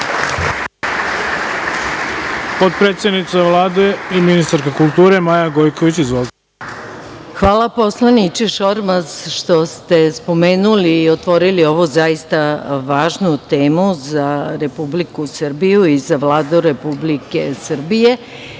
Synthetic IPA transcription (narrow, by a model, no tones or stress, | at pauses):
pot̪̚pɾet̪sjed̪nit̪seʋlˠaːd̪eiminist̪aɾkakulˠt̪uːɾe̞majaɡo̞jkoʋit͡ɕizʋolˠ | xʋaːlˠapo̞slˠanit͡ʃeʃo̞ɾmazʃt̪o̞st̪e̞spo̞me̞ːnuliːot̪ʋo̞ɾilio̞ʋozaist̪aʋaːʒnut̪e̞ːmuzaɾe̞publikusr̩bijuizaʋlaːd̪uɾe̞publike̞sr̩bije̞